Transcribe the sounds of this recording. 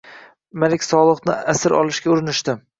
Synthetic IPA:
malʲɪkʲsɒlˠɨqnɪasɪɾɒ̰lˠɪʃɡʲaʊɾɪnɪʃd̪ɪ

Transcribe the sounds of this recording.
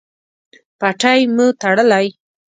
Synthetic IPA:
paʈajmut̪aɽəlaj

